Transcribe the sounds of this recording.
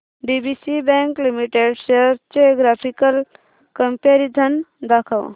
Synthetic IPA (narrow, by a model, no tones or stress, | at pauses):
ɖibisibɛŋklimiʈeɖʃeəɾt͡ʃeɡɾapʰikəl | kəmpeɾid̪ʱənd̪akʰəw